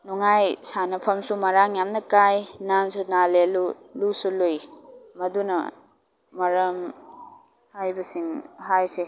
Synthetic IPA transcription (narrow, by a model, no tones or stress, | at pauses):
nuŋajsanɐpʰɐmsumɐɾaŋjamnɐkajnansunalelu | lusulojmɐdunɐ̰ | mɐɾɐm | hajbɐsiŋɦajse